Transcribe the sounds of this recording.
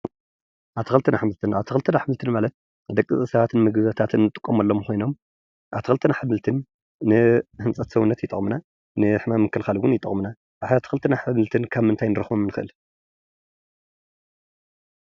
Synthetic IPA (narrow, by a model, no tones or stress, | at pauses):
ʔaβt̪ʰɨxɨlt̪ʰɨnaħmɨlt̪ʰɨnʔaβt̪ʰɨxɨlt̪ʰɨnaħmɨlt̪ʰɨnmalɐt̪̚ | d̪ɐkʼːɨ̰zʼisɐβat̪ʰɨnmɨɡɨβɐt̪ʰat̪ʰɨnːɨt̪ʼɨkʼːomɐlːomxo̞jno̞m | ʔaβt̪ɨ̥kxɨlt̪ʰɨnaħamɨlt̪ʰɨnː | ɨhɨnt͡sʼɐt̪sɐwunːɐt̪jɪt̪ʼɐχʼmɨna | nɨħmamːɨkʰːɨlxalɡʊnjɪt̪ʼɐ̰χʼmuna | ʔaat̪ʰɨ̥xɨlt̪ʰɨnaħɨmɨlt̪ʰɨnkʰaβmɨnt̪ʰajnɨɾɨxbomnɨxɨʔɨl